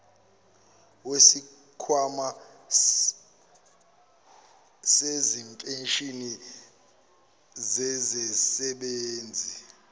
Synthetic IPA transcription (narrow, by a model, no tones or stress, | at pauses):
wesi | kʰwama | sezintʼenʃʼini | zɛzɛsɛɓeːnd͡zʱi